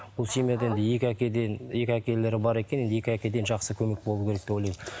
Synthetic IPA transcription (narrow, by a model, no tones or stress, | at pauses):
bʊlˠsimed̪eend̪ɪjekʲækʲed̪enje̞kʲækʲe̞le̞ɾɪbɑɾe̞kʲene̞nd̪je̞kʲɪækʲe̞d̪e̞nʒɑqsəkʲʰɵme̞k̚bolˠukʲʰee̞k̚d̪ewojlɑjm